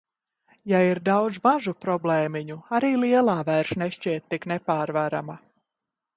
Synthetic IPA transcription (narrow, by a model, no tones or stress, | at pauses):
jaiɾd̪awd̪zmaʒupɾɔblˠɛːmiɲuaɾiːlˠiɛlˠaːvæjɾʃneʃciɛt̪̚ʲːiknɛpaːɾvaɾama